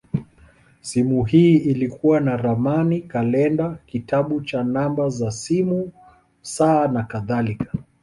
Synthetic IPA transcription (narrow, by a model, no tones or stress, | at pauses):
simuɦiːilikuwanaɾamanikalɛndakitaɓut͡ʃanambazasimu | saːnakaðalikḁ